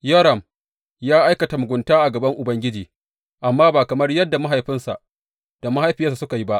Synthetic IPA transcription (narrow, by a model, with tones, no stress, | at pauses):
jɔ˦ɾɐ˨m | jaː˦ʔa˦jkɐ˨ta˨mʊ˨ɡʷʊ˨ntaː˦ʔa˨ɡɐ˨bɐ˦ŋʔʊ˨bɐ˦ŋɡʲɪ˦d͡ʒiː˨ | ʔa˨mːaː˦baː˨kɐ˨mɐ˦rjɐ˦dːa˨ma˦ɦa˨jɸɪ˦nsa˨ʔ | d̥a˨ma˦ha˦jɸɪ˨ja˦s̬a˨sʊ˦ka˨ji˦ba˦ʔ